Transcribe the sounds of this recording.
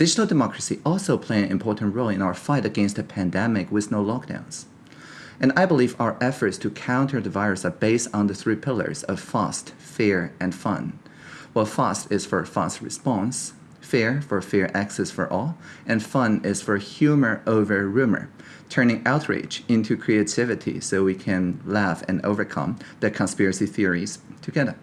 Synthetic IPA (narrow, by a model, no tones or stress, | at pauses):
d̥ɪd͡ʒnl̩ˠdɨmɑkɹ̥ɨsiʔɔlˠsoʊpʰl̥eɪɨ̃nɨ̃mpʰɔɹʔn̩tɹoʊlˠɨ̃naʊə˞faɪɾɨɡɛ̃nstɨpʰæ̃ndɛmɪkwɨðnoʊlɔk̚d̥ã̰ʊ̃nz̥ | ɨ̃naɪbəliva̰ʊə˞ʔɛfə˞tstʰɨkʰãʊ̃ntʰə˞ðɨvaɪɹɨsəbeɪsn̩ðɨθɹipʰɪlˠə̰˞zʌv̥fɑ̰st | fɪɹɨ̃nfʌ̰̃n | waɪlfɑstɪz̥fə˞fɑ̰st̚ɹɨ̰spɑ̃ns | fɛɹfə˞fɛɹʔæksɛsfə̰˞ʔɔlˠɨ̃nfʌ̃nɪz̥fə˞hjʉmə˞ʔoʊvə˞ɹʉmə̰˞ | tʰɜ̃˞nɪ̃ŋaʊt̚ʰɹḛɪd͡ʒɪ̃ntʰʉkʰɹ̥ieɪtʰɪvɨɾḭsoʊwikʰɨ̃nlæfɨ̰̃no̰ʊvə˞kʰʌ̰̃mðɨkʰə̃nspɪɹɨsiθɪɹiz̥tʰɨɡɛðə˞